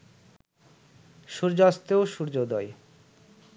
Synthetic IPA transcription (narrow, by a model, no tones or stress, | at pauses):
ʃuɾd͡ʑoast̪eoʃuɾd͡ʑod̪ɔj